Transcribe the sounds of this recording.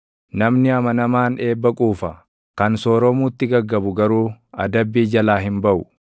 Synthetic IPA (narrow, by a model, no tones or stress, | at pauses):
nɐmnɪɐmɐnɐmaːne̞ːbːɐkʼuːfɐ | kɐnsoːɾɔmuːt̪ːɪɡɐɡːɐbʊɡɐɾuːɐ̰d̪ɐbːiːd͡ʒɐlaːɦɪmbɐʔʊ